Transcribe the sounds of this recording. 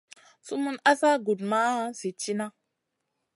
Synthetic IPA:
su˦mu˦na˦sa˦ɡu˨dma˦si˨t͡ʃi˦na˦

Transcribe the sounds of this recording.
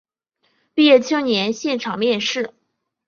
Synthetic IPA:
pi˥˧jɛ˥˩t͡ɕʰɤ˥ŋnjɛ˧˥nɕjɛ˥˩nʈ͡ʂʰɑ˨˩ŋmjɛ˥˧nʂɻ̩˥˩

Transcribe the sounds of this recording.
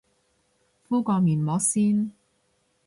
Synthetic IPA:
fuː˥kɔː˧miː˨˩nmɔː˨˧˥siː˥n

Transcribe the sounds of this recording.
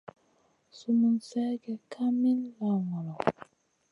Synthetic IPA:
su˨mu˨nsɛ˦ɡɛ˨kʰa˦mi˦nla˨ŋɔ˨lɔ˨

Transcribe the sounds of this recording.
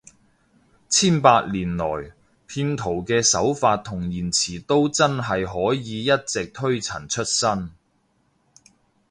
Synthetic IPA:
t͡sʰiː˥npaː˧k̚liː˨˩nlɔː˨˩j | pʰiː˧nt̪ʰo˨˩wkɛː˧sɐ˨˥wfaː˧t̚t̪ʰːʊ˨˩ŋjiː˨˩nt͡sʰiː˨˩t̪o˥wt͡sɐ˥nɦɐ˨jɦɔː˨˥jiː˨˧jɐ˥t̚t͡sɪ˨k̚t̪ʰɵ˥ɥt͡sʰɐ˨˩nt͡ʃʰɵ˥t̚sɐ˥n

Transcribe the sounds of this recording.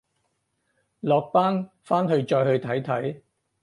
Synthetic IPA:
lɔː˨k̚paː˥n | faː˥nɦɵ˧ɥt͡ʃɔː˧jhɵ˧ɥt̪ʰɐ˨˥jt̪ʰɐ˨˥j

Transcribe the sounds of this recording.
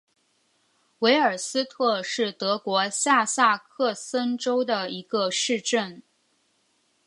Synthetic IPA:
we˧˥ɪə˞˨˩sɹ̩˥t̪ʰɤ˥˧ʂɻ̩˥˩t̪ɤ˧˥kwɔ˧˥ɕja˥˧sa˥˧kʰɤ˥˩sə˥nʈ͡ʂo˥ʊd̪ə˨i˧˥ɡ̥ə˧ʂɻ̩˥˧ʈ͡ʂə˥˩n

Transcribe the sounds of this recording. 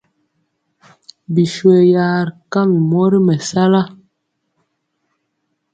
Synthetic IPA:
bi˨ʃwe˨ja˨ɾka˦˨m˨mɔ˦ɾi˦mɛ˨sa˦la˦

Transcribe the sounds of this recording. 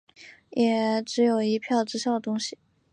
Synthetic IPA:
jɛ˨˩ʈ͡ʂɻ̩˧˥jo˨˩ʊi˧˥pʰjɑ˥˩ʊʈ͡ʂɻ̩˥ɕjɑ˥˩ʊt̪ʊ˥ŋɕi˨˩

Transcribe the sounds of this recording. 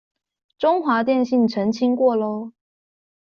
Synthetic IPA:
ʈ͡ʂʊ˥ŋxwa˧˥t̪jɛ˥˧nɕi˥˩ŋʈ͡ʂʰə˧˥ŋt͡ɕʰi˥ŋkwɔ˥˩lo˥ʊ

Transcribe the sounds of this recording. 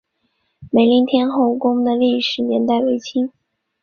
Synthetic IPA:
me˨˩ɪli˧˥ŋt̪ʰjɛ˥nxo˥˩ʊkʊ˥ŋd̪ə˨li˥˩ʂɻ̩˨˩njɛ˧˥nt̪a˥˩ɪwe˧˥ɪt͡ɕʰi˥ŋ

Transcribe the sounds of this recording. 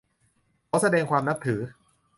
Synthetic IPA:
kʰa˦˥wsa˧dɛː˧ŋkʰwaː˧mna˦˥p̚t̪ʰɯː˩˦

